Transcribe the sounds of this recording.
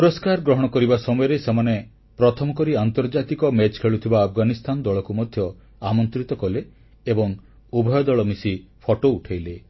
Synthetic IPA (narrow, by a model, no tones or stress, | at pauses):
pɾɔskaɾɡɾɔɦɔɽ̃ɔkɔɾibasɔmɔjɔɾesemane | pɾɔt̪ʰɔmɔkɔɾiant̪ɔɾd͡ʒat̪ikɔmet͡ʃkʰeɭut̪ʰibaːpʰɡanist̪ʰanɔd̪ɔɭɔkumɔd̪ʱjɔ | amɔnt̪ɾit̪ɔkɔleː | bɔŋ | ubʱɔjɔd̪ɔɭɔmisipʰɔʈouʈʰajle